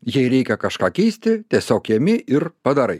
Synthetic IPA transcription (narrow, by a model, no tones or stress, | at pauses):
jɛɪɾʲɛɪkʲɛkɐʃkɑːkʲɛɪsʲt̪ʲɪt̪ʲiɛsʲoːkjɛmʲɪʔɪɾpɐd̪ɐɾɐɪ